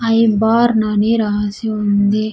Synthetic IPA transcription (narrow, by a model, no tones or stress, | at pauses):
ɐjbaːɾnaniɾaːsiund̪e